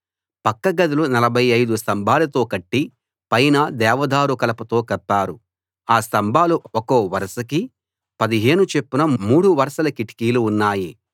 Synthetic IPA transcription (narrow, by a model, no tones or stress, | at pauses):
pɐkːɐɡɐd̪ulunɐlɐbʱɐjɐjd̪ust̪ɐmbʱaːlɐt̪o̞ːkɐʈːi | pɐjnɐd̪ɛːʋɐd̪ʱaːɾukɐlɐpɐt̪o̞ːkɐpːaːɾu | aːst̪ɐmbʱaːluokoːʋɐɾɐsɐki | pɐd̪iɦe̞ːnut͡ʃe̞pːunɐmuːɽuʋɐɾɐʃɐlɐkiʈi̥kiːluːnːaːji